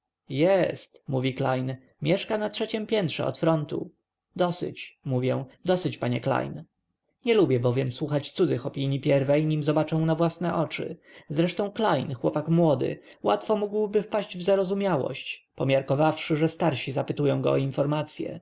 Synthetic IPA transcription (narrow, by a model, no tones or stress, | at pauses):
jɛst̪muvʲiklajn | mʲjɛʂkanatʂɛt͡ɕɛmpʲjɛnt̪ʂɛ̰ɔ̰t̪fɾɔnt̪ṵ | d̪ɔsɘ̰t͡ɕmuvʲjɛ̃d̪ɔsɘt͡ɕpaɲɛkla̰jn | ɲɛlubʲjɛbɔvʲjɛmswuxat͡ɕt̪sud̪zɘxɔpʲiɲipʲjɛɾvɛjɲimzɔbat͡ʂɛ̃w̃navwasnɛʔɔt͡ʂɘ̰zɾɛʂt̪ɔ̃w̃klajnxwɔpakmwɔd̪ɘ̰ | wa̰t̪fɔmuɡwbɘfpaɕd͡ʑvzaɾɔzumʲjawɔ̰ɕt͡ɕ | pɔmʲjaɾkɔvafʂɘʐɛst̪aɾɕizapɘt̪ujɔ̃w̃ɡɔ̰ɔinfɔɾmat̪sʲjɛ̰